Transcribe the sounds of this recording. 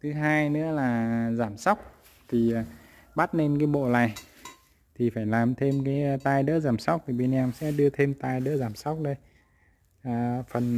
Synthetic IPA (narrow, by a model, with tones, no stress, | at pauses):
t̪ʰɨ˨˦ɦaː˧jnɨ̰˧˥əlaː˨˩zaː˧˩msa˦˥wk͡p̚ | t̪ʰi˨˩˨ | ɓa˦˥t̚ne˧nkaː˨˦jɓo̰˧˨la̰ː˨j | t̪ʰi˨˩faː˧˩jlaː˨˩mt̪ʰe˧mkaː˨˦jt̪aː˧jɗə̰ː˧˥zaː˧˩msa˦˥k͡p̚t̪ʰi˨˩ɓe˧nʔɛ˧msɛ̰˧˥ɗɨ˧ət̪ʰe˧mt̪aː˧jɗə̰ː˧˥zaː˧˩msa˦˥k͡p̚ɗə˧j | ʔaː˨˩fə˨˩n